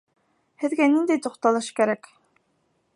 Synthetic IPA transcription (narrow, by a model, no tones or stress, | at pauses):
hɘ̆ðɡænind̪æjt̪uqt̪ɑlˠɤʃkæɾæk